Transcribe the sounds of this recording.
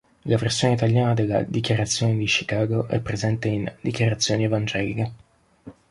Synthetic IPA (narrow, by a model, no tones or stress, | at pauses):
laversːjoːneit̪aljaːnad̪elːa̰d̪ikjaɾat̪sːjoːned̪it͡ʃi̥kaːɡoʔɛ̰pːɾezɛnt̪eind̪ikjaɾat̪sːjoːnievand͡ʒɛːlike